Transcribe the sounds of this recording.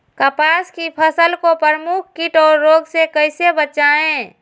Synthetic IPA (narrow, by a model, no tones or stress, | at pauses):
kəpaːskipʰəsəlkopəɾəmuk̚ʰkiʈɔːɾːoːɡsekəɪsebət͡ʃaẽ